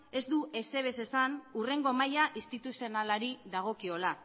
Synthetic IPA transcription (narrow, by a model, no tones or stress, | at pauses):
e̞zd̪ue̞se̞β̞e̞se̞sanure̞ŋɡo̞majaʔist̪it̪usio̞nalaɾiðaɣ̞o̞kio̞la